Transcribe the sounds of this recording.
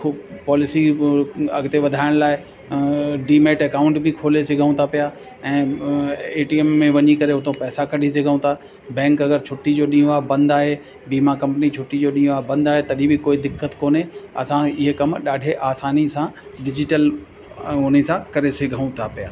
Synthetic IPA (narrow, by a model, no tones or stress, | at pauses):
kʰpɔːlɪsi | ɐ̰ɡt̪eʋɐd̪ʱaːɪɽ̃laːɪ | ɖiːmeːʈɐkaːʊ̃ɳʈbʱɪkʰoːlesɪɡʱəũt̪ʰapija | ɛ̃ː | eːʈiemːẽʋɐɲikɐɾeɦʊt̪ʰõpɛːsakɐɖʱis̬eɡʱəũt̪ʰaː | bɛ̃ːŋkɐɡəɾt͡ɕʰʊʈːid͡ʑoːɗĩːɦõaːbɐ̃nd̪aːɦe | biːmakɐ̃mpnit͡ɕʰʊʈːid͡ʑoːɗĩːɦõaːɦbɐ̃nd̪aːɦet̪ɐɗibɪkoːid̪ɪkːət̪koːneɐsãɪɦekɐmɗaːɖʱeʔaːsaːnisãɖɪd͡ʑɪʈəl | ʊnsãkɐɾesɪɡʱəũt̪ʰapijaː